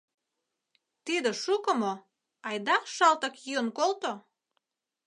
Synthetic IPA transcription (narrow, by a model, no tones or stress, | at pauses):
t̪id̪ĕʃukəmo | ɑjd̪ɑʃɑlt̪ə̆kjyənkolt̪o